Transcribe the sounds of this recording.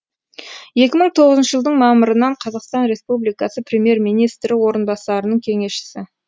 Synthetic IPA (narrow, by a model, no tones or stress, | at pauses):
je̞kʲɪməɴt̪ʰo̞ʁəzənʃəʒəlˠd̪əɴmɑməɾənɑɴqʰɑzɑqst̪ɑnɾe̞spublijkɑsəpʰɾʲe̞mje̞ɾmijnijst̪ɾɪwo̞ɾənbɑsɑɾənəɴkʲʰe̞ŋe̞sʃɪ̥sɪ